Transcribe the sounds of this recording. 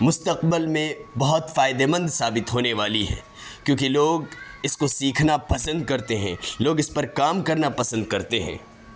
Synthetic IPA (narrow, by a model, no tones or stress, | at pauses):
mʊst̪əqbɪlmẽbɐɦʊt̪faːɪd̪emə̃nd̪saːbɪt̪ɦoːneʋaːliɦɛ̰ː | kjõːkiloːɡɪskosiːkʰnapɐsə̃nd̪̚kɐɾt̪eɦɛ̰̃loːɡɪspɐɾkaːmkɐɾnapɐsə̃nd̪̚kɐɾt̪eɦɛ̰̃ː